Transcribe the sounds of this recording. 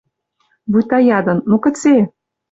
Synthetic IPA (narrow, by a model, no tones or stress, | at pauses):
bujt̪ɑjɑd̪ɤ̆nːmokə̆t͡se